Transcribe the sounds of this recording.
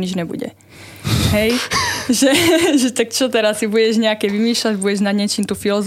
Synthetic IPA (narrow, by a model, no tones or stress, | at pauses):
ɲid͡ʒɲɛbṵɟɛ̰ | ɦɛjʒɛʒɛt̪akt͡ʃɔt̪ɛɾasːibuɟɛʒɲɛakɛːʋimiːʃlaɟbuɟɛʒnad̪ɲɛt͡ʃiːmt̪uːfilɔz